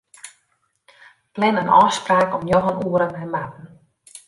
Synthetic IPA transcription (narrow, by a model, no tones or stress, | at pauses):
plɛnənɔ̰spraːkɔmjɔɦənuəɾənɛnmat̚n̩